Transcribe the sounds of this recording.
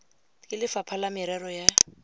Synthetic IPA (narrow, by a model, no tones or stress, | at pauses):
kʼɪlɪfapʰalamɪɾɛrɔja